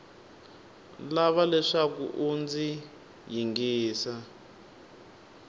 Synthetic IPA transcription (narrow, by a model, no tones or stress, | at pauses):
laβalɛʂakṵʔund͡zi | jiŋɡiːsa